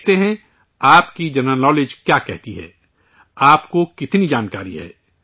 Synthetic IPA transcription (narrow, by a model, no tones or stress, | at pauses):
t̪eɦɛ̃ | aːpkid͡ʒɐɾnəlnɔːleːd͡ʒkjaːkɛ̰ɦt̪iɦɛ̰ː | aːpkokɪt̪nid͡ʒaːnkaːɾḭɦɛ̰ː